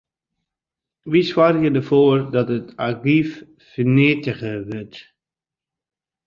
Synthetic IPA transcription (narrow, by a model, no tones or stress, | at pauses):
ʋiswarjədəvoːrdɔtətaɡif | fənɪtəɣəʋət